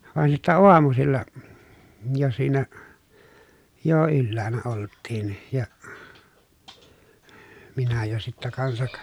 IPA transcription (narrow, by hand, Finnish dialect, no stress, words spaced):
ʋɑˑen sitːæ oɑmusilːɑ jo siːnæ jo ylːæːnæ oltːiːn jɑ minæ jo sitːæ kɑnsɑk